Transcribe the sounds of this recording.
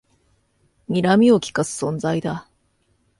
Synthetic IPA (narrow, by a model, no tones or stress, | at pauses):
mʲiɾamʲio̞kʲi̥kasɨ̥sõ̞nzaid̪a